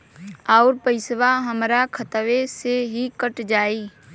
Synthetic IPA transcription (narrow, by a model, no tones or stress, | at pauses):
aːɾpəɪsʋaɦəmɾakʰət̪ʋeseɦikəʈd͡ʒaːiː